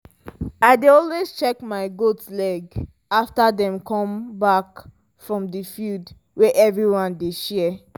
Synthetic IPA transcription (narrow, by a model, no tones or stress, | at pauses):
aɪdeɔlwezt͡ʃɛkmaɪɡotlɛɡ | aftadɛ̃mkɔ̃mbak | fɹɔ̃mdifild | weʔɛvɹiwɔ̃ndeʃɛ